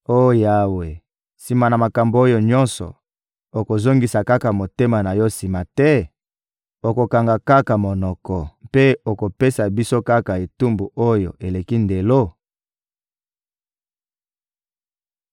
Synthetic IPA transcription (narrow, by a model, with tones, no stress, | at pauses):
o˦˨ja˦we˨ | si˨ma˨na˨ma˨ka˨mbo˨o˦jo˨ɲɔ˦nsɔ̰˨ | o˨ko˨zo˦ŋɡi˨sa˨ka˦ka˨mo˨te˦ma˨na˨jɔ˦si˨ma˨tɛ˦ | o˨ko˨ka˨ŋɡa˨ka˦ka˨mo˨nɔ˨kɔ˨mpe˦o˨ko˨pe˦sa˨bi˦so˦ka˦ka˨e˨tu˦mbu˨ʔo˦jo̰˨ʔe˨le˨ki˦nde˨lo˦